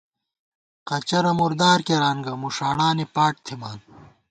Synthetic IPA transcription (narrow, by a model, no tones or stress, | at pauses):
qɐt͡ɕɐɾɐmuɾd̪aːɾkeɾaːnɡɐmuʂaːɳaːnipaːʈ̚t̪ʰimaːn